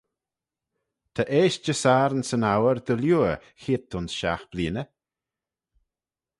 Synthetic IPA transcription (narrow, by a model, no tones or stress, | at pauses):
t̪ʰəʔeːʃd͡ʒəsaːɾənsənawəɾd̪əljuːə | xiːt̪ʰʊnsʃa̰xb̥liːnə